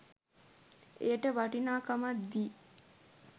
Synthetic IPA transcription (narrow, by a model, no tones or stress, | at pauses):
eʈəʋɐʈinaːkamat̪d̪iː